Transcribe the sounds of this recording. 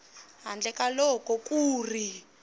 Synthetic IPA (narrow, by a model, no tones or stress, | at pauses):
ɦand͡ɮɛkalɔkʼɔkʼuːri